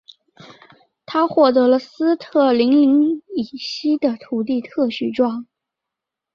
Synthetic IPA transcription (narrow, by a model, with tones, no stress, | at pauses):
t̪ʰa˥xwɔ˥˩t̪ɤ˧˥lə˧sɹ̩˥t̪ʰɤ˥˩li˧˥ŋli˧˥ŋi˨˩ɕi˥d̪ə˨t̪ʰu˨˩t̪̬i˥˧t̪ʰɤ˥˧ɕy˥˩ʈ͡ʂwɑ˥˩ŋ